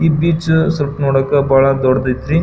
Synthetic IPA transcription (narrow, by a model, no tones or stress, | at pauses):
iːbiːt͡ʃsɐlpnoːɽɐkːɐbʱaːɭɐd̪ɔɽd̪ɐjt̪ɾi